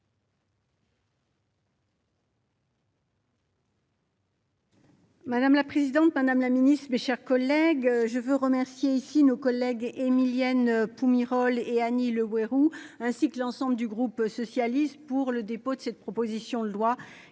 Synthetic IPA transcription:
mad̪amlapχezid̪ɑ̃t̪mad̪amlaminist̪χmeʃɛʁkɔlɛɡʒəvøʁəmɛʁsjeisinokɔlːɛɡemiljanpumiʁɔleaniləweʁuɛ̃sikəlɑ̃sɑ̃bləd̪yɡʁupsɔsjalist̪puʁləd̪epod̪əsɛt̪̚pχɔpozisjɔ̃lwa

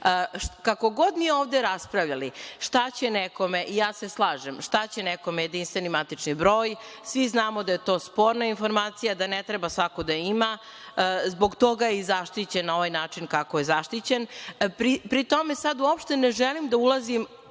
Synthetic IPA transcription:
kako̞ɡo̞d̪mieoːvd̪eɾaspɾaʋʎaliʂt̪at͡ɕe̞neko̞meʔijaːseslˠaːʒemʂt̪at͡ɕeneko̞mejed̪inst̪ʋe̞nimat̪it͡ʂnibɾoːjsʋiznaːmod̪aje̞t̪o̞ːspo̞ːɾnainfo̞ɾmaːt̪sijad̪anet̪ɾebasʋakod̪aima | zbo̞ɡt̪o̞ɡaizaʃt̪it͡ɕenːaoʋajnaːt͡ʂinkakoje̞zaʃt̪it͡ɕenpɾipɾit̪o̞me̞sad̪uopʃt̪e̞neʒɛlimd̪aulazim

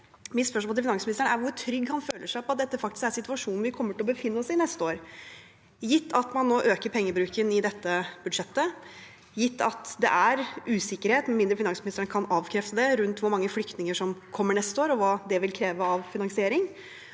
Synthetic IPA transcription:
mɪspœʂmoːɪfɪnɑŋsmnɪst̪əɳəæɾʋʊɾʈʰɾʏɡːhɑnføːləʂæɪpɔɑt̪̚d̪ɛt̪ːəfɑkt̪ɪ̥skæɾsɪt̪ʉɑʂuːnn̩ʋɪkʰɔmːəʈɪɔbəfɪnːəɔsɪnɛst̪əoːɾ | jɪt̪ʰːɑt̪mɑnːoːʔøːkəɾpʰɛŋːəbɾʉːkənɪd̪ɛt̪ːəbʉd̪ʂɛt̪ːə | jɪt̪ːɑt̪d̪ɛ̰ʔæɾʉːsɪkːəɾheːt̪mɛnmɪnd̪ɾəfɪnɑŋsmɪnɪst̪əɳəkʰɑnɑːʋkʰɾɛft̪əd̪ɛɾʉnt̪ʋʊɾmɑŋːəflʏkt̪nɪŋəʂɔmkʰɔmːəɳɛst̪əoːɾɔʋɑːd̪ɛʋɪlkʰɾeːʋəɑʋfɪnɑŋsɪeːɾɪŋ

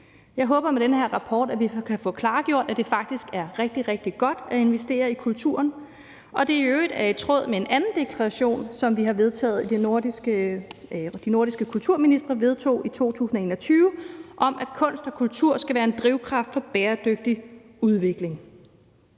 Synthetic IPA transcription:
jɑ̈ɪɦɔ̽ːb̥ɐmeɾ̥enəheɐ̰ʁɑ̈pʰɒːd̥æʋikʰæfɔ̽kʰlɑ̈ːɡ̥jo̝ɐ̰d̥æd̥e̝fɑ̈ɡ̥̚d̥isɡ̥æɐʁɛɡ̥̚d̥iʁɛɡ̥̚d̥iɡ̥ɒ̽d̥æe̝nʋesd̥e̝̰ːɐikʰult͡sʰuɐ̰n | ʔɒ̽d̥e̝øːid̥æɐe̝̥t͡sʰʁɔ̽ð̰ˠmee̝nʔænn̩d̥e̝kʰlɑʁɑɕo̝̰ːnsɒ̽mʋiɦɑ̈ʋe̝ð̞ˠt͡sʰɛ̰ːð̩ˠid̥e̥ | d̥ino̝ɐɾ̥isɡ̥əkʰult͡sʰuɐ̰minisd̥ʁɐʋe̝ð̞ˠt͡sʰo̝̰ːit͡sʰo̝̰ːt͡sʰṵːsn̩ɒe̝ːnɒ̽t͡sʰyːʊəʔɒ̽mʔæd̥kʰɔ̽n̰sd̥ɒ̽kʰult͡sʰuɐ̰sɡ̥æʋæːɐe̝nd̥ʁiʊkʰʁɑ̈fd̥fɒ̽b̥ɛːɐd̥øɡ̥̚d̥i | uð̞ˠʋe̝ɡ̥le̝ŋ

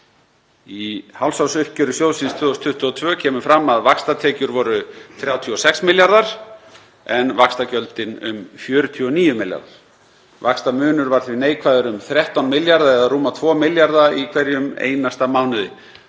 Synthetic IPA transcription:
ihawlsawsʏhcʏɾʏsjowlsinst̪ʰvʏɔst̪ʰʏht̪ʏɔt̪ʰvœːcʰɛːmʏfɾamːaðvakst̪at̪ʰɛːcʏɾvɔɾʏθɾjaːwt̪ʰiɔsɛksmɪljaɾðaɾ̥ | ɛnvakst̪acœlt̪ɪnʏ̰mfjʏːɾʏt̪ʰyɔniːjʏmɪlja̰ɾða̰ɾ̥ | vakst̪amʏːnʏɾvaɾ̥θvɪneːjkʰvaːðʏɾʏmθɾjɛht̪awnmɪljaɾðaɛðaruːmat̪ʰvɔːmɪljaɾðaikʰv̥ɛɾjʏmḛjnast̪amaːwnɪðɪ̰

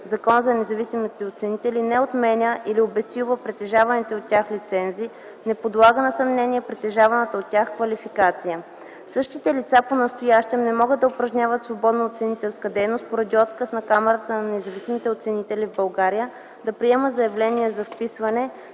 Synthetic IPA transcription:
zɐkɔnzɐnɛzɐvisimit̪ɛot̪sɛnit̪ɛlinɛot̪mɛnʲəʔiliobɛsuvəpɾɛt̪ɛʒavɐnit̪ɛot̪tːʲaxlit̪sɛnzi | nɛpod̪lˠaɡənɐsɐmnɛniɛpɾɛt̪ɛʒavɐnət̪əot̪tːʲaxkvɐlʲifikat̪sijə | sɤʃt̪it̪ɛlit̪saponɐst̪ojaʃt̪ɛmnɛmɔɡəd̪ːɐʊpɾɐʒnʲavət̪svobɔd̪nəot̪sɛnit̪ɛlˠskəd̪ɛjnost̪̚poɾɐd̪iɔt̪kəsnɐkamɛɾət̪ənɐnɛzɐvisimit̪ɛot̪sɛnit̪ɛlʲivbɐlˠɡaɾijə | d̪ɐpɾiɛməzɐjɐvlɛniɛzɐfpisvɐnɛ

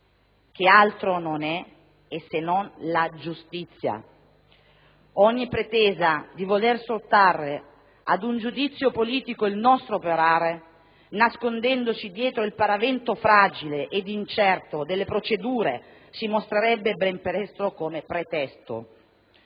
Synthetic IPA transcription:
k̟ealt̪ɾononɛː | sːenɔnlad͡ʒust̪it̪sːja̰ | ɔɲːipɾet̪ɛːzad̪ivolersot̪ːarːe | ad̪und͡ʒud̪it̪sːjopoliːt̪ikoilnɔst̪ɾoːpoɾaːɾe | naskond̪ɛnd̪osid̪jɛːt̪ɾoilpaɾavɛnt̪ofɾaːd͡ʒileʔed̪int͡ʃɛrt̪od̪elːepɾot͡ʃed̪uːɾe | simost̪ɾeɾɛbːebɛmpeɾɛst̪ɾokomepɾet̪ɛst̪o̰

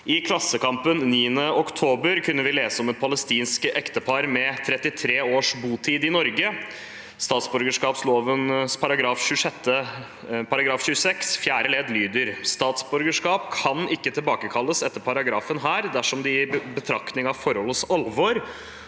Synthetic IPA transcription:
ʔɪkʰlɑsːəkɑmpənniːənəʔɔkt̪ʰoːbəɾkʰʉnːəʋɪleːsəɔmɛt̪̚pʰɑləst̪iːnskəʔɛkt̪əpʰɑɾmɛt̪ʰɾɛt̪ːɪt̪ʰɾeːoːʂbuːt̪ʰiːd̪ɪnɔɾɡə | st̪ɑːt̪sbɔɾɡəʂkɑːpsloːʋənspʰɑɾɑɡɾɑːfɕʉʂɛt̪ʰːə | pɑɾɑɡɾɑːfɕʉəsɛksfjæːɾəleːd̪lyːd̪əɾst̪ɑːt̪sbœɾɡəʂkɑːpkʰɑnɪkːət̪ʰɪlbɑːkəkʰɑlːəsɛt̪ːəɾpʰɑɾɑɡɾɑːfənɦæːɾd̪æʂɔmd̪ɪbət̪ʰɾɑkt̪nɪŋɑʋfɔɾhɔlːəsɑlʋɔɾ

